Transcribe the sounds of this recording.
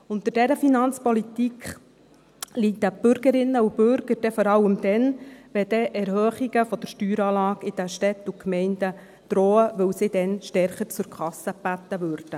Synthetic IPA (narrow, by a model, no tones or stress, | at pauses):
ʊnt̪ɪdɛɾəfinɑnt͡spɔlit̪ikχ | lit̪əb̥ʏɾɡəɾɪnːəubʏɾɡ̥əɾd̥ɛfɔɾɑwəmd̥̪ɛnʋɛd̥̪ɛʔɛɾhœːχiɡəfɔd̥̪əɾʃtyːɾɑːlɑːɡɪd̥̪əʃtɛt̪ːukmɛɪndə | d̪̥ɾɔːəʋɵwsɪd̪ɛnʃtɛɾχəɾt͡sʊɾkχɑsːəb̥æt̪ːəʋøɾd̥ə